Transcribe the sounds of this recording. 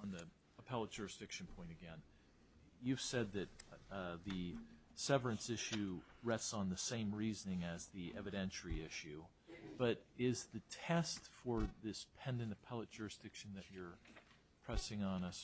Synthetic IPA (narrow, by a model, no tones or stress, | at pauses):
ə̃nði | əpʰɛlˠət̚d̥ʒ̥ʊɹɨsd̥ɪkʃɨ̃n̩pʰɔ̃ɪ̃tɨɡɛ̃n | jʉv̥sɛd̪̚ðɨt̚ðɨ | sɛvə˞ɨ̃nsɪʃʉɹɛstsn̩ðɨsẽɪ̃mɹiznɪ̃ŋɨzðiʔɛvɨɾɛ̃nʃl̩iɪʃʉ | b̥ʌɾɪzðɨtʰɛstfə˞ðɪspʰɛ̃ndɨ̃ntɨpʰɛlˠət̚d̥ʒ̥ʊɹɨsd̥ɪkʃn̩ðɨt͡ʃə˞ | pʰɹ̥ɛsɪ̃ŋə̃nʌs